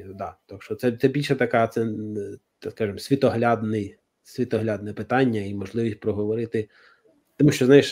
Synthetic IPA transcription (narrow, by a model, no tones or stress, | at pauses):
d̪ɑt̪ɔkʃt͡ʃɔt̪sɛt̪sɛbʲilʲʃɛt̪ɐkɑt̪sɛ | skɑʒɨmsʲʋʲit̪ɔɦlʲɑd̪nɪj | sʲʋʲit̪ɔɦlʲɑd̪nɛpɪt̪ɑnʲːɐimɔʒlˠɪʋʲisʲt̚ʲpɾɔɦɔʋɔɾɪt̪ɪ | t̪ɔmuʃt͡ʃɔznɑjɪʃ